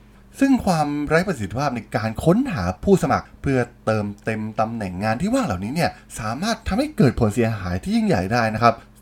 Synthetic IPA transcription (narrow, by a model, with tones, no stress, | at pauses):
sɯ˥˩ŋkʰwaː˧mɾa˦˥pa˧sʰi˨˩t̪ʰːi˧˩paː˥˩p̚na˧jkaː˧nkʰo˦˥nɦaː˩˦pʰuː˥˩sa˧ma˨˩k̚pʰɯ˥˩ɐt̪ɤː˧mt̪e˧mt̪a˧mnɛ˨˩ŋːaː˧nt̪ʰiː˥˩waː˥˩ŋlaː˨˩wniː˦˥ni˥˩ɐsaː˨˩˦maː˥˩t̪ʰːa˧mha˥˩jkɤː˨˩t̪̚pʰo˨˩˦nsi˩˦ɐɦaː˩˦jt̪ʰiː˥˩ji˥˩ŋja˨˩jdaː˥˩jna˦˥kʰa˦˥p̚